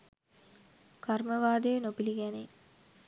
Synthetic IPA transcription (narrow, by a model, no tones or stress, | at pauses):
karməʋaːd̪eʋenopiliɡæne